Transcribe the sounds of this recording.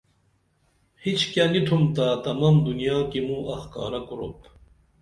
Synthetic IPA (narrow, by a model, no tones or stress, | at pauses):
hit͡ɕʰkjanit̪ʰumt̪at̪ɐmamd̪unijaːkimũʔɐxka̰ːɾɐkuɾo̰t̪